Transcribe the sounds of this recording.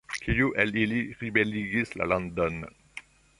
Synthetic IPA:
kʰijuʔeliliɾibeliɡisla̰land̪on

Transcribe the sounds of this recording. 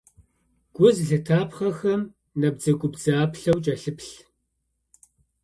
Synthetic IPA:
ɡ̥ʷʊzɮɨtʰaːpχɐxɐm | nɐb̚d͡zɐɡʷʼʊbd͡zaːpɬɐwt͡ʃʼɐɬɨpɬ

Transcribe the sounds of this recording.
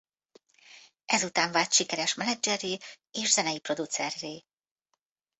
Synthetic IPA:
ʔɛzut̪aːɱvaːt̪ʃikɛɾɛʃmɛnɛd͡ʒɛrːeː | eːʃzɛnɛjipro̞d̪ut̪sɛrːeː

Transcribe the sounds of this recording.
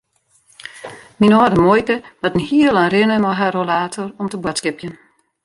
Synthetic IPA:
minɔːdəmojkəʋɔtən̩hiəlˠanrɪnəmɔɦarolaːtʰorɔmtəbwɔtskɪpjən

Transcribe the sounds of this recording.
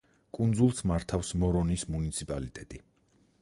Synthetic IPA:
kʼund̪zulˠsmaɾt̪ʰafsmɔɾɔnismunit̪sʰipʼalit̪ʼɛt̪ʼi

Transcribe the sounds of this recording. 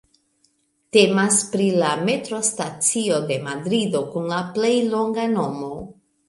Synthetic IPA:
te̞maspɾilame̞tɾo̞stat͡sio̞de̞madɾidokunlaple̞jlo̞ŋɡano̞mo̞

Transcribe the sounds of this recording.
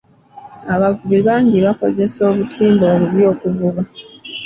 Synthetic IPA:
aβavuβiβaːŋɟiβako̞ze̞so̞ːβutʰiːmboːβuβjo̞ːkuvuβa

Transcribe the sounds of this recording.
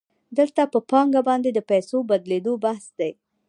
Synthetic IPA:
d̪əlt̪apəpɑŋɡabɑnd̪ed̪əpajsobad̪led̪obahsd̪aj

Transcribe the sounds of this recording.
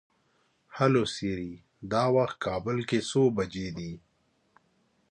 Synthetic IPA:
hɐlosiɾi | d̪aːwɐxt̪̚kaːbəlkesoːbɐd͡ʒed̪iː

